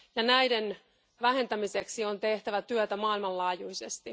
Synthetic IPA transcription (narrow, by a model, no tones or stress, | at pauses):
jɑnæjden | ʋæɦe̞nt̪æmise̞ksio̞nt̪e̞ht̪æʋæt̪yøt̪æmɑːilmɑllɑːjujsest̪i